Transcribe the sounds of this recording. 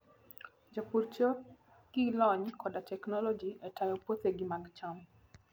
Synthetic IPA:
d͡ʒopuɾt͡ʃo | ɡ̥ilɔɲkʰɔdatɛknɔlɔd͡ʒiɛtajɔpot̪eɡimaɡt͡ʃɔm

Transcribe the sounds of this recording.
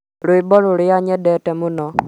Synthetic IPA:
ɾʊibɔlʊɾɪjaɲɛdɛtɛmunɔ

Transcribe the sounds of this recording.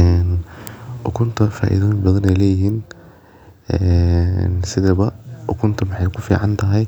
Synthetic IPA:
ɛːnʔʊkʰʊnt̪ʰɐfa̰ːʔḭðɔːjbɐðɐnɛjlɛːjɪɦiːn | ɛnsɪðɐβɐʔʊkʰʊnt̪ʰɐmɑħɑjkʰʊfḭːʕɑnt̪ʰɐɦɛj

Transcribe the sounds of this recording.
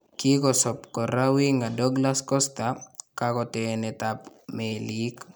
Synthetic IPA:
kikɔsɔpkɔɾawiŋɡadɔɡlaskɔstakakɔtɛnɛtapmelik

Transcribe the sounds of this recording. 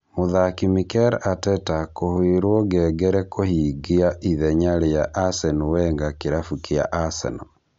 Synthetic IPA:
moðakimikɛɾatɛtakohoeɾwɔɡɛːɡɛɾɛkohiːɡiaʔiðɛɲaɾejaʔasɛnuwɛŋɡakeɾafukea̰ʔasɛ̰nɔ

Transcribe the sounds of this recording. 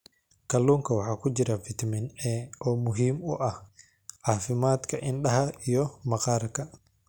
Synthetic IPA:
kɐlːuːŋkʰɐwɑħaːkʰʊd͡ʒɪɾɐfɪt̪mɪnɛːʔɔːmʊɦiːmʊʔɐh | ʕafɪmaːt̪kʰɐʔɪnɗɐɦɐijɔmɐqaːrkɐ

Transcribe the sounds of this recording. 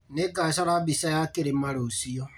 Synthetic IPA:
nekasaɾabisajakeɾemaɾosiɔ

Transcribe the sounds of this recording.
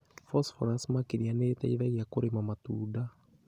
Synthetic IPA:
fɔsfɔɾasmakiɾianeːtaiðaɣiakoɾemamatuːda

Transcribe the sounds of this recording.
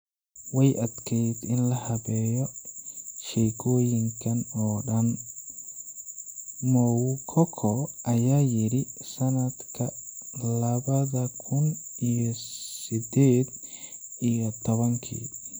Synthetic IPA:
wɛjʔɐd̪kʰɛjd̪ɪnlɐhɐβɛːjɔ | ʃɛːɡʰɔːjɪŋkʰɐnɔːɖɐn | mɔwkʰɔkʰɔʔɐjaːjɪɾɪsɐnɐd̪kʰɐlɐβɐðɐkʰʊnijɔsɪd̪ɛːd̪ijɔt̪ʰɔβɐŋkʰḭː

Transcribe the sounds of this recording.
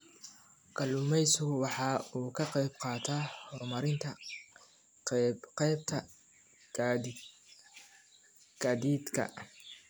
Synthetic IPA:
kʰɐlʊmɛjsʊwɑħɑːuːkʰɐqɛjb̚qɑːt̪ʰaːhɔmɐɾɪnt̪ʰɐ | qɛjb̚t̪ʰɐ | ɡ̥ɐːd̪iːd̪kʰɐ̰

